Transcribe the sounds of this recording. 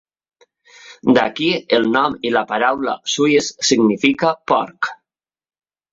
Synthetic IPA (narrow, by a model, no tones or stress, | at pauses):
d̪a̰kielˠnɔmilapaɾawla̰sujesːiɡnifikapɔ̰ɾk